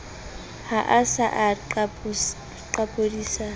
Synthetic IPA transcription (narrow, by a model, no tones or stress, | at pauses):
haʔasaʔa | ǃapʼodiːsa